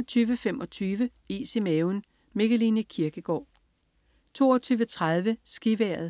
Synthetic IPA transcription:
t͡sʰyːʋəfemʔɒ̽t͡sʰyːʋə | isimeʊn | me̝ɡ̥əlinəkʰiɐɡ̥əɡ̥ɒ̰ː | t͡sʰo̝̰ːɒt͡sʰyːʋət͡sʰʁaðˠʋəsɡ̥iʋæɐð̩ˠ

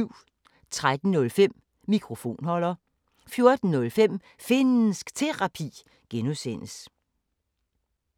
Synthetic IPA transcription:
ʊ̰ | t͡sʰʁad̥n̩nɔ̽lfem̰ | mikʰʁo̝fo̝̰ːnhɒ̽l̰ɐ | fjo̝ɐd̥n̩ːɔ̽lfem̰ | fe̝nn̩sɡ̥t͡sʰe̝ʁɑ̈pʰḭː | ɡ̥enusen̰əs

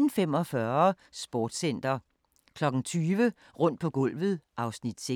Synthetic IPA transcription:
n̩fem̰ɒ̽fɶɐ | sb̥ɔːd̥sen̰d̥ɐ | kʰlɒ̽ɡ̥ŋ̩t͡sʰyːʋə | ʁɔ̽n̰d̥̚pʰɒ̽ɡ̥ɔ̽l̰ʋð̩ˠʔɑ̈ʊsnid̥se

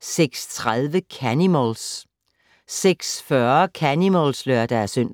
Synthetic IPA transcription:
seɡ̥st͡sʰʁaðˠʋəkʰænimols | seɡ̥sfɶɐkʰænimolsløɐd̥ææɐsøn̰

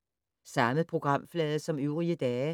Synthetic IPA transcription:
sɑ̈məð̩ˠpʰʁo̝ɡ̥ʁɑ̈m̰flɛːðˠəsɒ̽møʊʁiəd̥ɛː

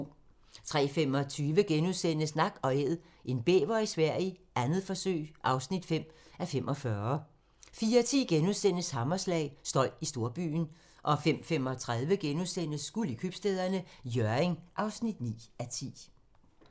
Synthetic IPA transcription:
t͡sʰʁɛ̰ːfemɒ̽t͡sʰyːʋəɡ̥enuðˠsen̰əsnɑ̈ɡ̥ɒ̽eð̰ˠ | ʔe̝nb̥ḛːʋɐisʋæɐ̰jəʔænð̞̩ˠfɒ̽sø̰ɪʔɑ̈ʊsnid̥fem̰æfem̰ʔɒ̽fɶɐ | fiːɐt͡sʰḭːɡ̥enuðˠsen̰əshɑ̈mɐslɛ̰ɪsd̥ɒ̽l̰isd̥o̝ɐb̥y̰ːn | ʔɒ̽fem̰fem̰ɒ̽t͡sʰʁað̞ˠʋəɡ̥enuðˠsen̰əsːɡ̥ulikʰyb̥sd̥eð̞ˠɐnəjœɐeŋʔɑ̈ʊsnid̥nḭːæt͡sʰḭː

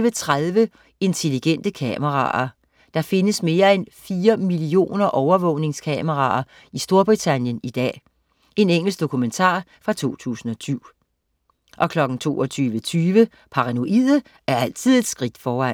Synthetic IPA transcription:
ʋət͡sʰʁaðˠʋə | e̝nt͡sʰe̝liɡ̥en̰d̥əkʰɛməʁɑ̰̈ɐ | d̥ɑ̈fe̝nəsme̝ːɐenfiːɐmilio̝̰ːnɐʔɒʊɐʋɔʊne̝ŋskʰɛməʁɑ̰̈ɐ | isd̥o̝ɐb̥ʁit͡sʰænjənid̥ɛ̰ː | e̝neŋ̰l̩sɡ̥̚d̥o̝kʰument͡sʰɑ̰̈ːfʁɑ̈t͡sʰo̝̰ːt͡sʰṵːsn̩ɒ̽sʰyʊ̰ | ʔɒ̽kʰlɒ̽ɡ̥n̩t͡sʰo̝̰ːɒt͡sʰyːʋət͡sʰyːʋə | pʰɑ̈ʁɑ̈no̝ʔið̰ˠə | æɐæl̰t͡sʰið̞̰ˠe̝d̥sɡ̥ʁid̥fɒːæn

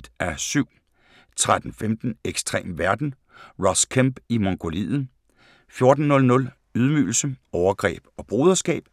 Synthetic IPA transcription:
d̥æɐsyʊ̰ | t͡sʰʁad̥n̩femd̥n̩eɡ̥sd̥ʁɛ̰ːmʋæɐd̥n̩ | ʁɒskʰemb̥imoŋɡ̥o̝lḭð̩ | fjo̝ɐd̥n̩ːɔ̽lnɔ̽l | yð̞ˠmydl̩səɒʊɐɡ̥ʁɛ̰ːb̥ɒ̽b̥ʁo̝ːðˠɐsɡ̥ɛ̰ːb̥

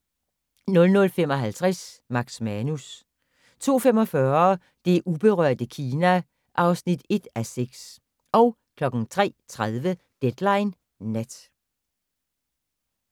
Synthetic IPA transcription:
nɔ̽lnɔ̽lfemɒ̽ɦælt͡sʰʁasmɑ̈ɡ̥smænus | t͡sʰo̝̰ːfemɒ̽fɶːɐ | d̥e̝ʔub̥e̝ʁœ̰ɐ̰d̥əkʰiːnæ | ʔɑ̈ʊsnid̥e̝d̥æseɡ̥s | ɒ̽ʊ | kʰlɒ̽ɡ̥n̩t͡sʰʁɛ̰ːt͡sʰʁað̞ˠʋə | d̥ed̥lɑ̈ɪnː | ed̥

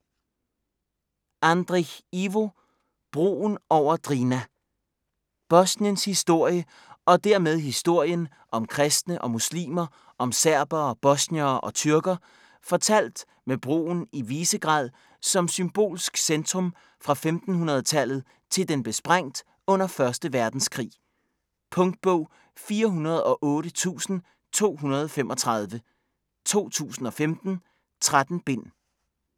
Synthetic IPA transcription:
ʔænd̥ʁiiʋo̝ | b̥ʁo̝̰ːnɒʊ̰ɐd̥ʁiːnæ | b̥ɒ̽sniənshisd̥o̝ɐ̰jə | ɒ̽d̥æɐ̰með̞ˠɦisd̥o̝ɐ̰jən | ʔɒ̽mkʰʁɛsd̥nəʔɒ̽muslḭːmɐ | ʔɒ̽msæɐ̰b̥ɐːb̥ɒ̽sniɐːʔɒ̽t͡sʰyɐɡ̥ɐ | fɒ̽t͡sʰæl̰d̥ | meb̥ʁo̝̰ːn̩iʋiːsəɡ̥ʁɑ̰̈ːð̰ˠ | sɒ̽msymb̥o̝̰ːlsɡ̥send̥ʁɔ̽m | fʁɑ̈femd̥n̩ɦunɐð̞̩ˠt͡sʰæl̰ð̩ˠ | t͡sʰe̝ld̥enb̥e̝sb̥ʁaŋ̰d̥ | ɔ̽n̰ɐfɶɐsd̥əʋæɐd̥n̩skʰʁḭː | pʰɔ̽ŋd̥̚b̥ɔʊ̰ | fiːɐɦunɐð̞̩ˠɒ̽ʔɔ̽ːɾət͡sʰṵːsn̩ | t͡sʰo̝̰ːɦunɐð̞ˠɒ̽femʔɒ̽t͡sʰʁɑ̈ð̞ˠʋə | t͡sʰo̝̰ːt͡sʰṵːsn̩ɒ̽femd̥n̩ | t͡sʰʁad̥n̩b̥e̝n̰

